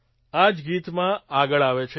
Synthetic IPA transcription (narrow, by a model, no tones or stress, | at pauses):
ad͡ʒɡit̪mãaɡəɭaʋet͡ʃʰe